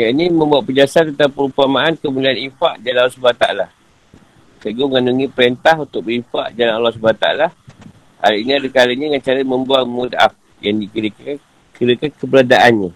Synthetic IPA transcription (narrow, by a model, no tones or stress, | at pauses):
jainimə̃mbuatʔ̚pəd͡ʒasat̪ənt̪apəɾumpamaankəmulianifaʔd͡ʒalanalːɔsubat̪a̰ʔa̰la | səɡuŋanuŋipəɾent̪aɦunt̪ʊk̚bəifa̰ʔd͡ʒalanalːɔhs̬ubant̪a̰a̰la | a̰ɾiiniadəkaləɲaŋant͡ʃaɾəmə̃mbualmuda̰f | jaŋdikiɾək | kiɾəkankəbəladaʔanɲa